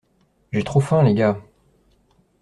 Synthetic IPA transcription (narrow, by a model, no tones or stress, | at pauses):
ʒet̪χofɛ̃leɡʲa